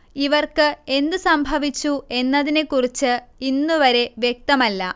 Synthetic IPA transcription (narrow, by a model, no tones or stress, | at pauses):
iʋɐrkɨe̞nd̪ɨsɐmbʱɐʋit͡ɕːue̞nːɐðine̞kːurit͡ɕːɨinːuʋɐɾe̞ʋje̞k̚t̪ɐmɐlːɐ